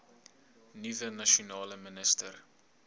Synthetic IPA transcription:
nivənɐʃonɑːləmənəstər

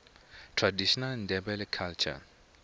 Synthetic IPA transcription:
tʰradiʃɔnaln̩dɛbɛlɪkʰalt͡ʃʰa̰

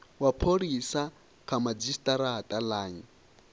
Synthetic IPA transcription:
wapʰoɾisa | kʰamad͡zistʼaɾaɦatʼalaːɲi

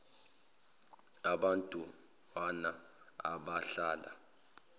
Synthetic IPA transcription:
aɓantʼu | wana | a̰ɓaɬaːla̰

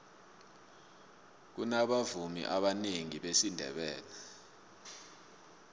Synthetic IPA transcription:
k̬unaɓavumḭʔaɓaneŋiɓesindʱɛ̰ɓɛːlɛ

